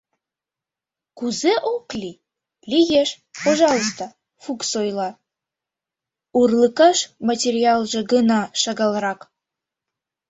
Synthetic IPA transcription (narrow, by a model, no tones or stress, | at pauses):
kuzeʔoklʲi | lʲiɣeʃ | poʒɑlˠost̪o | fuksojlˠɑ | urlˠəkɑʃmatʲerʲiɑlˠʒĕɡənɑʃɑɣɑlˠɾɑk